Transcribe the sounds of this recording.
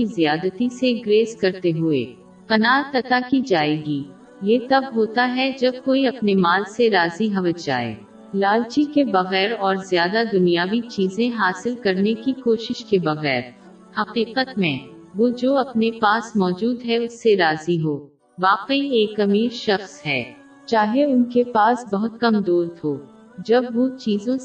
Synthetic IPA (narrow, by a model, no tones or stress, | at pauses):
izijaːd̪ət̪iseɡɾeːzkɐɾt̪eɦʊḛː | pɐnaːɾt̪ɐt̪akid͡ʒaːeːɡiː | jet̪ɐbɦoːt̪aɦɛd͡ʒɐb̚koːiɐpnemaːlseɾaːziɦɐʋəd͡ʒa̰ːḛː | laːlt͡ʃikebɐɣɛːɾɔːɾzjaːd̪ad̪ʊnijaːʋit͡ʃiːzẽɦaːsɪlkɐɾnekikoːʃɪʃkebɐɣɛːɾ | hɐqiːqət̪mẽ | ʋoːd͡ʒoːɐpnepaːsmɔːd͡ʒuːd̪ɦɛʊsːeɾaːziɦoː | ʋaːqieːkɐmiːɾʃɐxsɦɛː | t͡ʃaːɦeʊnkepaːsbɐɦʊt̪̚kɐmd̪oːɾd̪ɦoː | d͡ʒɐbʋot͡ʃiːzõ